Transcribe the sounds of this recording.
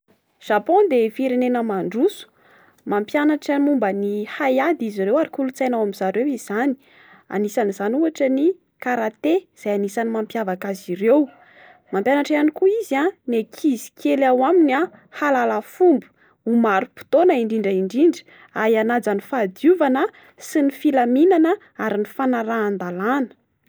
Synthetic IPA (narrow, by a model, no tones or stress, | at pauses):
ʒ̥apɔ̃nd̪efiɾenenəmaɳɖ͡ʐusu̥ | mampjanaʈ͡ʂamumbənihajad̪iziɾewaɾikulut͡sajnawamizaɾewizani̥ | a̰nisanizanuaʈ͡ʂəni | kaɾat̪ez̥ajanisanimampjavakazirew | mampjanaʈ͡ʂeanikuizanekʰizi̥kʰelawamina | halalafumbu̥ | umaɾupi̥t̪onaiɳɖ͡ʐiɳɖ͡ʐaiɳɖ͡ʐiɳɖ͡ʐə̥ | aɦianad͡zanifad̪uvanə | sinifilaminanə | aɾinifanaɾaːnd̪alanə̥